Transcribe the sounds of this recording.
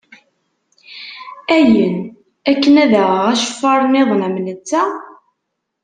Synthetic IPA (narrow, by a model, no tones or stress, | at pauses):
æjən | ækːənæðæʁəʁæʃə̥fːɑɾˤneðˤnæmnət͡sːæ